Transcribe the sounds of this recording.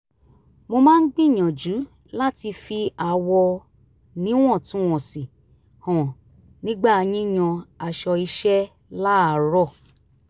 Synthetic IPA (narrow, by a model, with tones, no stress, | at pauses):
mo˧mãː˦n̩˦ɡ͡bĩ˦˨ɲ̃ã˨d͡ʒu˨˦ | la˦ti˧fi˧a˨wɔ˧ | nĩ˨˦w̃ɔ̃˦˨tũ˨˦ɔ̃˨si˨ | hɔ̃˨ | nĩ˦ɡ͡ba˦˧j̃ĩ˦ɲ̃ɔ̃˧a˨ʃɔ˧i˧ʃɛ˦ | la˦a˨ɾɔ˦˨